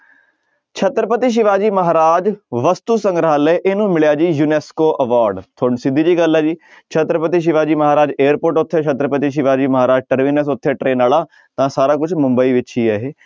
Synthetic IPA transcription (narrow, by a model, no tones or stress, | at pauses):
t͡ʃʰət̪ɾəpət̪iːʃ̬ɪʋaːd͡ʒiːməɦaːɾaːd͡ʒʋəst̪uːsə̃ŋɡɾaːleːʔɪnũːmɪɭjaːd͡ʒiːjuːnɛːskoːʔəʋaːɾɖt̪ʰoːɳsɪd̪ʱiːd͡ʒiːɡəlːɛːd͡ʒiː | t͡ʃʰət̪ɾəpət̪iːʃ̬ɪʋaːd͡ʒiːməɦaːɾaːd͡ʒeːəɾpoːɾʈʊt̪ʰːeːt͡ʃʰət̪ɾəpət̪iːʃ̬ɪʋaːd͡ʒiːməɦaːɾaːd͡ʒʈəɾʋiːnəs̬ʊt̪ʰːeːʈɾeːnaːlaː | t̪ãːsaːɾãːkʊt͡ʃʰmʊ̃mbəiːʋɪt͡ʃɦiːɛːɦeː